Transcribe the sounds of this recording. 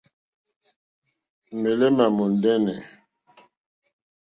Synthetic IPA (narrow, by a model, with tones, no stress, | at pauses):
me˨le˦ma˨mo˨ndɛ˦nɛ˨